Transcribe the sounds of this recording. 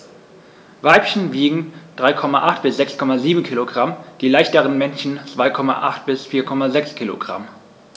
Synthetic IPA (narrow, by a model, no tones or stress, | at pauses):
vaɪpçn̩viːɡŋ̩d̥ʁaɪkʰɔmaʔaχt̚b̥ɪsz̥ɛkskʰɔmaziːbm̩kʰiːloɡʁamd̥iːlaɪçtəʁənmɛnçn̩t͡sv̥aɪkʰɔma̰ʔa̰χt̚b̥ɪsfiːɐkʰɔmazɛkskʰiːlo̰ɡʁa̰m